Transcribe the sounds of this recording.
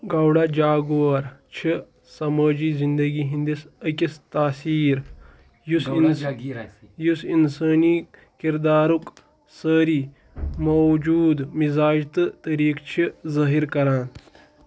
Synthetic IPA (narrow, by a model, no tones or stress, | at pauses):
ɡɐwɽaːd͡ʒaːɡoɐɾt͡ʃʰi | sɐmɐːd͡ʒiːzind̪ɐɡiːɦĩnd̪isəkʲist̪aːsiːɾ | jusin | jusinsəːni | kiɾd̪aːɾuk | səːɾiː | mod͡ʒuːd̪mizaːd͡ʒt̪ɨt̪ɐɾiːkt͡ʃʰizɐɦiɾkɐɾaːn